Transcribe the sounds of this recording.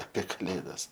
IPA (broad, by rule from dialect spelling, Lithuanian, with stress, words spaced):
ɐpʲeː kɐˈlʲeːdɐs